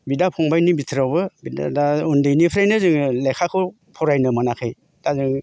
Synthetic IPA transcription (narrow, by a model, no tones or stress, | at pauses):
bidapʰɔŋbajnibitʰɾawbɯbida̰daundɯjnipʰɾajnɯzɯŋlekʰakʰɯ | pʰɔɾajnɯmanakʰɯj | tazɯŋ